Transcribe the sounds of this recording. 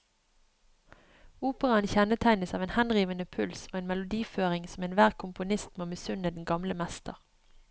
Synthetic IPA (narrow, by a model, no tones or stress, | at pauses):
uːpəʁɑənçɛnət̪ʰæɪnəsɑːʋeːnhɛnʁiːʋənəpʰʉlsoːeːnmɛlʊd̪iːføːʁɪŋsmeːnʋæːʁkʰʊmpʊnɪst̪meoːbəsʉnəd̪n̩ɡɑmləmɛst̪ə̰ʁ